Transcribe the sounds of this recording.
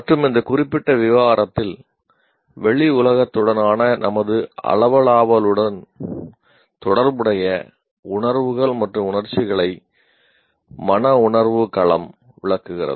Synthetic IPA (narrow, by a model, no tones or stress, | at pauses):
mɐʈrɯmɪnd̪ɐkʊrɪpːɪʈːɐʋɪʋaːɾɐt̪ːɪl | ʋɛɭiʊlɐɣɐt̪ːɯɽɐnaːnɐnɐ̰mɐðɯɐ̰lɐʋɐɭaːʋɐlɯɽɐn | t̪ɔɽɐɾʋɯɽɐjɐ | ʊɳɐɾʋɯɣɐɭmɐʈrɯmʊnɐɾt͡ʃːɪɣɐɭɐɪ | mɐnɐʊɳɐɾʋɯkɐɭɐm | ʋɪ̰ɭɐkːɯɣɪrɐ̰ðɯ